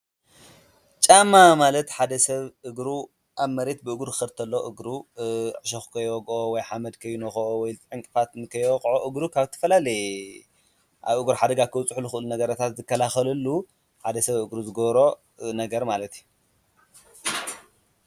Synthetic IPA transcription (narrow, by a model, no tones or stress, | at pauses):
t͡ʃʼamːamalɐt̪ħad̪ɐsɐβɨɡɾu | ʔaβmɐɾe̞t̪̚bɨɨɡɾkɨxɐɾt̪ʰɐlːoʔɨɡɾuʕɨʃoxkʰɐjwɔɡʔowɔjħamɐd̪kʰɐjːunoxʔowɔjt̪ʼʕɨŋkʼɨfat̪kʰɐjwɔkʼʕoʔɨɡɾukʰaβt̪ʰɐ̥fɐlalɐj | ʔa̰βɨɡɾħad̪ɐɡakʰɨwt͡sʼħulɨxɨʔɨlunɐɡɐɾat̪ʰat̪zɨkʰːɐlaxɐlɐlːu | ħad̪ɐsɐβɨɡɾuzɨɡɐβɾo̞ | nɐɡɐɾmalɐt̪iu